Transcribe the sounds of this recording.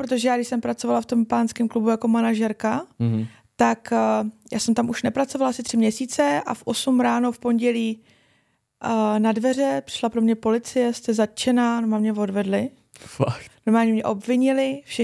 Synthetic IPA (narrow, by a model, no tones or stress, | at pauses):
pɾot̪̬oʒɛjaːɡdɪʃsɛmpɾat͡so̞valaft̪o̞mpaːnskɛmklubujako̞manaʒɛɾka | t̪akjaːsɛmt̪amʔuʃnɛpɾat͡sovalʔasɪt̪r̥ɪmɲɛsiːt͡sɛʔa̰fʔo̞sumɾaːnofpo̞nɟɛliː | nadvɛr̝ɛpr̥ɪ̥ʃlapɾo̞mɲɛpo̞lɪt͡sɪjɛst̪ɛzat̪̚t͡ʃɛnanomamɲɛvo̞dvɛdlɪ | faknoɾmaːlɲɛmɲɛʔo̞bvɪɲɪlɪfʃɛ